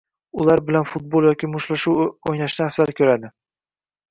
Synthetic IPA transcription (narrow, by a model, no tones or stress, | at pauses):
ʊlaɾbɪlanfʊt̪̚bolˠjɒkʲʰɪmoʃlaʃuwojnaʃnɪfsaɾkʲʰɵɾad̪ɪ